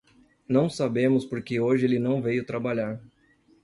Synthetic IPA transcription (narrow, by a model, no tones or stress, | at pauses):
nɐ̃w̃sabẽmʊspoɾkɪoʒɪelɪnɐ̃w̃vejʊt̪ɾabaʎaɾ